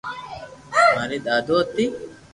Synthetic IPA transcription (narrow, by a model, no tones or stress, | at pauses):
mɐlɪd̪aːd̪oːt̪ːɪ